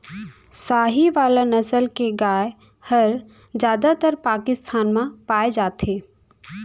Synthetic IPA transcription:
saːɦiʋaːlanɐsəlkeɡaːe | hɐɾ | d͡ʒjaːd̪at̪əɾpaːkɪst̪ʰaːnmãpaːed͡ʒaːt̪eː

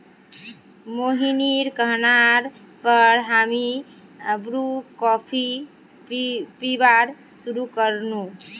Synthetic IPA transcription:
moɦiniɾkəɦnaɾ | pəɾɦami | əbɾukɔpʰi | pibaɾ | suɾukəɾnũ

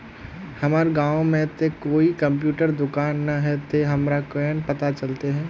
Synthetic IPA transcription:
hɐmaːɾɡãːõmẽt̪ekoːikɐ̃mp̬juːʈəɾd̪ʊkaːnːaɦɛt̪eɦɐmɾakɛːnpɐt̪at͡ʃɐlt̪eɦɛ̃ː

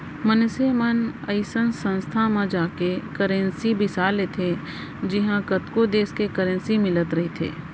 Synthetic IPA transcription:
mənsemənɐɪsənsə̃nst̪ʰamãd͡ʒaːkekəɾə̃nsibɪsaːlet̪ʰe | d͡ʒɪɦãkət̪kod̪eːskekəɾə̃nsimɪlət̪ɾɐɦit̪ʰḛː

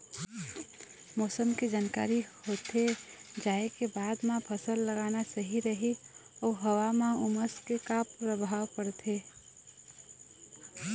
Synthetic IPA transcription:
mɔːsəmked͡ʒaːnka̰ːɾihoːt̪ed͡ʒaːekebaːd̪mãpʰəsəlːəɡaːnasəɦiɾəɦiɔːɦəwamãʊməskekapɾəbʱaːwpəɽt̪ʰe

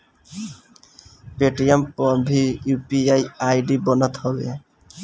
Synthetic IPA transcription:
peʈijempɔbʱijupiajajɖibɔnɔt̪hɔbḛ

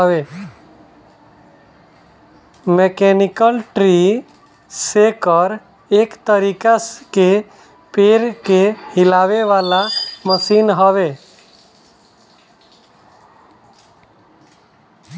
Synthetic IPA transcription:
ʋe | mekenɪkəlʈɾi | sekəɾ | eːkt̪əɾiːkaske | peːɾkehɪlaːʋeʋaːlaməsiːnɦəʋe

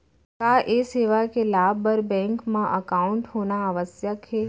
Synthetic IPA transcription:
kaːʔeseːʋakelaːbbəɾbɛ̃ŋkmãʔəkaʊɳʈhoːnaəʋəsjəkɦe

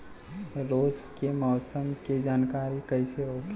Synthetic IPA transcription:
ɾoːd͡ʒkemɔːsəmked͡ʒaːnkaːɾikəɪseɦoɡ

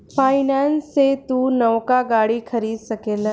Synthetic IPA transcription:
fʰaːjnansːet̪uːnɐʋkaɡaːɽikʰɐɾiːd̪sɐkeːla

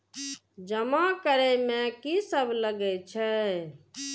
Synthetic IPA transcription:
d͡ʒəmakəɾɛmẽkisəbʱləɡɛt͡ʃʰɛ

